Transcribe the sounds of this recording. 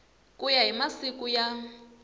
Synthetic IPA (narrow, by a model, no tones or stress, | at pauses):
kʼujaɦimasikʼuja